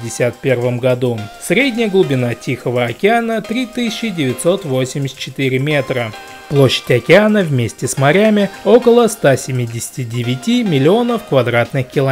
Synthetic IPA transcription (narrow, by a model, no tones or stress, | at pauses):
dʲɪsʲat̪pʲe̞rvəmɡɐd̪usɾʲedʲnʲɪjəɡlˠʊbʲɪnatʲixəvəɐkʲɪanət̪ɾʲit̪ɨsʲɪt͡ɕːɪdʲɪvʲɪt̪ʲso̞t̪vo̞sʲɪmʲɪsʲt̪̚t͡ɕːɪt̪ɨɾʲɪmʲe̞t̪ɾə | plˠo̞ɕːɪ̥tʲɐkʲɪanəvmʲesʲtʲɪsmɐɾʲamʲɪo̞kəlˠəst̪asʲɪmʲidʲɪsʲɪ̥tʲɪdʲɪvʲɪtʲimʲɪlʲɪo̞nəfkvɐd̪ɾat̪nɨxkʲɪlˠɐ